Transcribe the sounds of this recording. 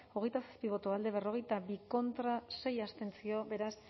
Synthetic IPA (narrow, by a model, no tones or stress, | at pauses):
o̞ɣe̞jt̪asḁspiβ̞o̞t̪oald̪e̞β̞e̞ro̞ɣ̞e̞jt̪aβiko̞nt̪ɾase̞jast̪e̞nt͡sio̞be̞ɾas